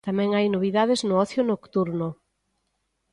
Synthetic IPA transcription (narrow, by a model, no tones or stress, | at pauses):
t̪amɛ̃ŋajnoβ̞iðað̞eznʊɔθjʊnokt̪uɾno